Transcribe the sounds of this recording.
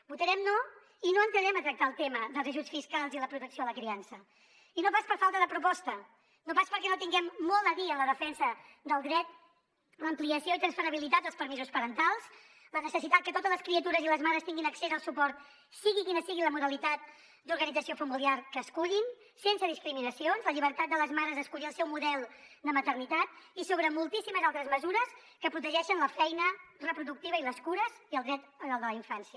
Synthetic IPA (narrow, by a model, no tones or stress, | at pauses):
but̪əɾɛmno | inoənt̪əðɾɛmət̪ɾək̚t̪aəlˠt̪eməðəlˠzəʒusfiskalˠziləpɾut̪əksioələkɾiansə | inopaspəɾfalˠt̪əðəpɾupɔst̪ə | nopaspəɾkɛnot̪iŋɡɛmːɔlˠd̪əðiələð̞əfɛnsəd̪əlˠd̪ɾɛt̪ | ləmpliəsioit̪ɾənsfəɾəβilit̪at̪̚d̪əlˠspəɾmizuspəɾənt̪alˠz | lənəsəsit̪at̪̚kət̪ot̪əzləskɾiət̪uɾəziləzmaɾəst̪iŋɡinəksezəlˠsupɔɾt̪ | siɣikinəsiɣiləmuðəlit̪at̪ | d̪uɾɣənid͡zəsiofəmiliarkəːskuʎin | sensəðiskɾiminəsionzləʎiβəɾt̪at̪̚d̪ələzmaɾəzəskuʎiəlˠsɛwmuðɛlˠd̪əmət̪ərnit̪at̪̚isoβɾəmulˠt̪isiməzalˠt̪ɾəzməzuɾəs | kəpɾut̪əʒɛʃənləfɛjnərəpɾuðuk̚t̪iβəiləskuɾəziəlˠd̪ɾɛt̪əalˠd̪ələiɱfansiə